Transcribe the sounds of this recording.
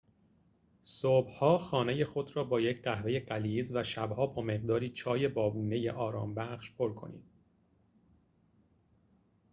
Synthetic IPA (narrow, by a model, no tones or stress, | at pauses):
sob̥hɒːxɒːne̞je̞xo̞d̪ɾɒːbɒːjecʰɢæhve̞je̞ɢæliːzvæʃæbhɒːbɒːme̞ɢd̪ɒːɾiːt͡ʃʰɒːje̞bɒːbuːne̞je̞̰ʔɒːɾɒ̰ːmbæχʃpʰo̞ɾkʰo̞̰nḭːd̪̥̚